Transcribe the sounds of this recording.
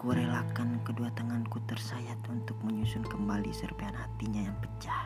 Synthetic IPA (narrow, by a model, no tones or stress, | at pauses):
kuɾelakankəduat̪əŋankut̪ərsajat̪unt̪ʊk̚məɲusʊnkəmbalisərbaanhat̪iɲajaŋpət͡ʃah